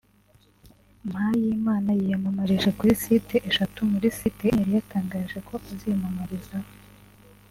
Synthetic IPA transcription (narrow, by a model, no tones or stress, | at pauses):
m̥hajiːmaːnajijamamaɾiʒekuɾisiteʔeʃatumuɾisitejaɾijataːŋɡaːʒe̞kʰo̞ʔazimamaɾizao